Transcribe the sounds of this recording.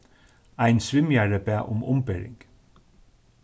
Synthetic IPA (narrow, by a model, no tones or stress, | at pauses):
æɪnsʋɪmjæɹəbæːʔʊmʔʊ̰mbɛɹɪ̰ŋɡ